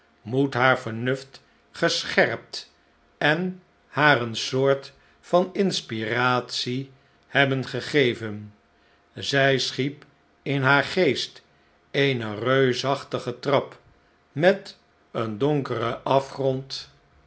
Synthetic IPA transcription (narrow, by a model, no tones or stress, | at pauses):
mutɦaːɹvəɹnʏft | χəsχɛrp̚t | ɛn | haːɾənsʊːɹt | fɑnɪnspiraːtsi | hɛbənχəχejvən | zɛjsχip | ɪnɦaːɹχejst | ejnərøɥsɑχtəχətrɑp | mɛt | əndɔŋkərəʔɑfχrɔnt